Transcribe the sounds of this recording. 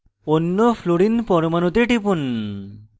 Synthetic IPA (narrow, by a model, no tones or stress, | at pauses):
onːopʰloɽinpɔɾmanot̪eʈipun